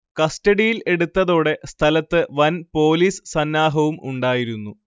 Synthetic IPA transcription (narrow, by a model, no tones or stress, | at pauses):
kɐstɐɽijile̞ɽut̪ːɐðo̞ːɽe̞st̪ʰɐlɐt̪ːɨʋɐnpo̞ːliːssɐnːaːɦɐʋumʔṵɳɖaːjiɾunːu